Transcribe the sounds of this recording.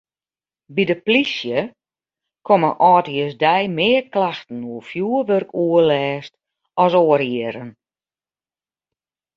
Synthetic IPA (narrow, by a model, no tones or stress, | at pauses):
bidəplisjə | kʰoməʔɔːtəsdɛjmɪːərklaxtən̩uəfjuəʋørkʰuəlɛːst | ɔsoːəɾiəɾən